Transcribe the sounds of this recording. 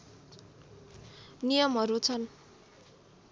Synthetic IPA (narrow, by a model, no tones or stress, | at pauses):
nijʌmɦʌɾut͡sʰʌn